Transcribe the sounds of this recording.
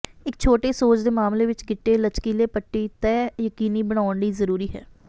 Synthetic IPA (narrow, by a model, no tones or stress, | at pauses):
ɪk̚t͡ʃʰoːʈeːsoːt͡ʃd̪eːmaːmleːʋɪt͡ʃɡɪʈːeːlət͡ʃkiːleːpəʈːiːt̪ɛːjəkiːniːbəɽaːʊɳɖiːzəɾuːɾiːɦɛ̰ː